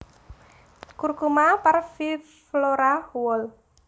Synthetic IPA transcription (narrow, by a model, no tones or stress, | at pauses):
kurkumaparfi | flɔɾawɔl